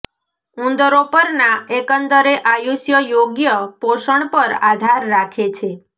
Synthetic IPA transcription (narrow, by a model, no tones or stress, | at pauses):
ũnd̪əɾopəɾnaekənt̪əɾeʔajuʃjəjoɡjəpoʃəɳpəɾad̪ʱaɾːakʰet͡ʃʰe